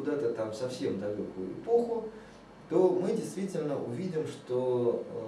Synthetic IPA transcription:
ʊd̪at̪ət̪amsɐfsʲemd̪ɐlʲokʊjʊ̰ɪpo̞xʊ | t̪o̞mɨdʲɪjst̪vʲitʲɪlʲnəʔʊvʲidʲɪmʂt̪o

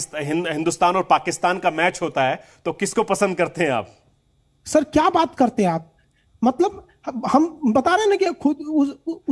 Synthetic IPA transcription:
sɦɪ̃nɦɪ̃nd̪ust̪aːnɔːɾpaːkɪst̪aːnkamɛːt͡ʃɦoːt̪aɦɛːt̪okɪskopɐsə̃nd̪̚kɐɾt̪eɦɛ̃a̰ːp̚ | sɐɾkjaːbaːt̪kɐɾt̪eɦɛ̃aːp̚ | mɐt̪ləb | hɐmbɐt̪aːɾeɦẽnãkikʰʊd̪ʊ

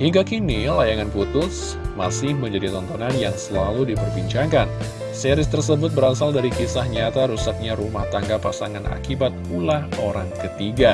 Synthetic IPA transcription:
hiŋɡakinilajaŋanput̪ʊs | masɪhməɲd͡ʒadit̪ɔnt̪ɔnanjaŋsəlaludipərbiɲt͡ʃakan | sɛɾɪst̪ərsəbʊt̪̚bəɾasaldaɾikisahɲat̪aɾusat̪̚ɲaɾumaht̪aŋɡapasaŋanʔa̰kibat̪̚ulahoɾaŋkət̪iɡa

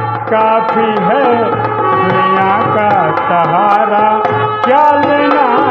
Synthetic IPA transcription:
kaːpʰiɦɛ | d̪ʊnijaːka | t̪ɐɦaːɾakjaːlena

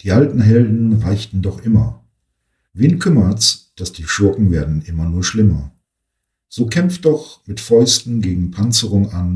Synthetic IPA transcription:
d̥iːʔaltn̩ɦɛldn̩ʁaɪçtn̩dɔχʔɪmɐ̰ | viːnkʰʏmɐtsd̥asd̥iːʃʊɐkŋ̩veːɐdn̩ʔɪmɐnuːɐʃlɪmɐ | z̥oːkʰɛmftd̥ɔχmɪtfɔʏstn̩ɡeːɡŋ̩pʰant͡səʁʊŋan

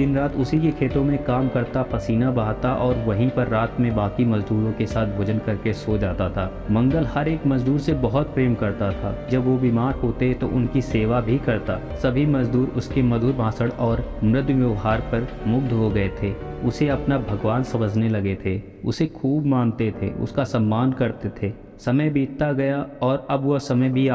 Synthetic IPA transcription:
d̪ɪnɾaːt̪ʊsikekʰeːt̪õmẽkaːmkɐɾt̪apɐsiːnabaɦat̪aʔɔːɾʋɐɦĩpɐɾːaːt̪mẽbaːkimɐzd̪uːɾõkesaːt̪̚ʰbʱoːd͡ʒənkɐɾkesoːd͡ʒaːt̪at̪ʰaː | mɐ̃ŋɡəlhɐɾeːkmɐzd̪uːɾsebɐɦɔt̪̚pɾeːmkɐɾt̪at̪ʰa̰ːd͡ʒɐbʋobiːmaːɾɦoːt̪et̪o̰ʔʊnkiseːʋabʱikɐɾt̪aː | sɐbʱimɐzd̪uːɾʊskemɐd̪ʱuːɾbʱãːsəɽɔːɾmɾɪd̪jʋjɪʋɦaːɾpɐɾmʊɡ̚d̪ɦoɡɐet̪ʰe | ʊseɐpnabʱɐɡʋaːnsɐməd͡ʒʱnelɐɡet̪ʰe | ʊ̰sexʰuːbmãːnt̪et̪ʰḛʊ̰skasɐ̃mːaːnkɐɾt̪et̪ʰeː | sɐməjbʱiːt̚t̪aɡɐjaɔːɾɐbʋosɐməjbʱia

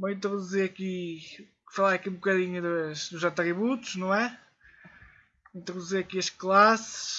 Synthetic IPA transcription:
bõĩnt̪ɾuðuziɾɐki | fɐlˠaɾɐkiũbukɐðiɲuðɐʃd̪uzɐt̪ɾiβut̪u̥ʃnɐ̃w̃ɛ | ĩnt̪ɾuðuziɾɐkiɐʃklˠasɨ̥ʃ

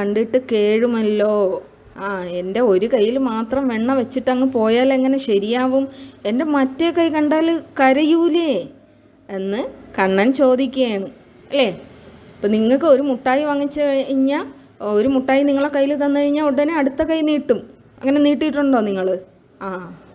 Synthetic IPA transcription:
kɐɳɖiʈːɨke̞ːɻumɐlːo̞ː | aːe̞nde̞o̞ɾukɐjːilmaːt̪rɐmʋeɳːɐʋet͡ɕːiʈːɐŋːɨpo̞ːjaːleŋːɐne̞ɕɐɾijaːʋume̞nde̞mɐtːekɐjkɐɳɖaːlkɐɾɐjuːle | e̞nːɨkɐɳːaːnt͡ɕo̞ːd̪ikʲːuɐjɳɨ | ɐlːe̞ːpːoːniŋːɐɭkːɨo̞ɾumuʈːaːjiʋɐŋːit͡ɕːɨɐɻiɲːa | oɾumuʈːaːjiniŋːɐɭekɐjːilt̪̬ɐnːɨkɐɻiɲːauɽɐneɐɽut̪ːɐkɐjiniːʈːum | ɐ̰ŋːɐne̞niːʈːijiʈːuɳɖo̞ːniŋːɐɭɨ | aː

